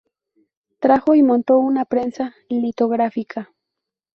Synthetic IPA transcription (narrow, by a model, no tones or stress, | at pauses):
t̪ɾaxoimont̪ounapɾensa | ɪlit̪oɣɾafikʰa